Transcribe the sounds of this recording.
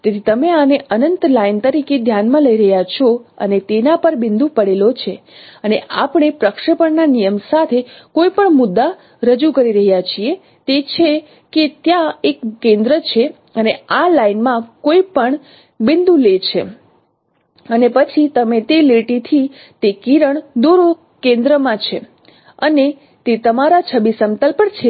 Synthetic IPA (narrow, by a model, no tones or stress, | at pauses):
t̪et̪ʰit̪əmeaneʔənənt̪laint̪əɾiked̪ʱjanmãləiɾəɦjat͡ʃʰɔə̰net̪enapəɾbɪnd̪ũpəɽelot͡ʃʰeəneʔapəɳ̃epɾəkʂəpəɳnanijəmsat̪ʰekoipəɳmʊd̪ːa | ɾəd͡ʒukəɾiɾəɦjat͡ʃʰie | t̪et͡ʃʰe | ket̪jãekːẽnd̪ɾət͡ʃʰe | ənealainmãkoipəɳ | bɪnd̪ũlet͡ʃʰe | ənepət͡ʃʰit̪əmet̪eleʈit̪ʰi | t̪ekiɾəɳd̪oɾo | kẽnd̪ɾəmãt͡ʃʰḛ | əne | t̪et̪əmaɾat͡ʃʰəbisəmt̪əlpəɳt͡ʃʰe